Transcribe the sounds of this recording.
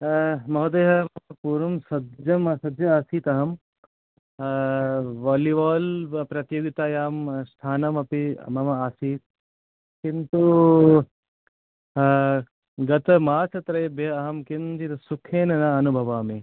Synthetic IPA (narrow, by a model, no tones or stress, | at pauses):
mɐɦɐd̪eːɦɐɐɐpuːɾɐmsɐdd͡ʒɐmɐsɐd̪d͡ʒɐaːsiːt̪ɐɦɐm | ʋaːliʋaːlpɾɐt̪joːɡit̪aːjaːmst̪ʰaːnɐmɐpḭmɐmɐaːsiːt̪̚ | kint̪u | ɡɐt̪ɐmaːt͡ʃʰɐt̪ɾɐjɐbjɐɐɦɐmkind͡ʒit̪ɐsukʰeːnɐnaɐnubʱɐʋaːme